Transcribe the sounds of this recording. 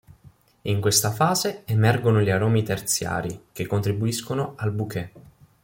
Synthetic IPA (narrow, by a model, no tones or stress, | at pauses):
iŋkwest̪afaːzeemɛrɡonoʎiaɾɔːmit̪ert̪sja̰ːɾikekːont̪ɾibuiskonoalbukʰɛ